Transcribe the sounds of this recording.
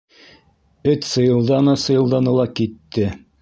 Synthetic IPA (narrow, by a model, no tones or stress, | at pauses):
ɵt̪sɤ̆jɤ̆lˠd̪ɑnɤsɤ̆jɤ̆lˠd̪ɑnɤ̆lˠɑkit̪ːɘ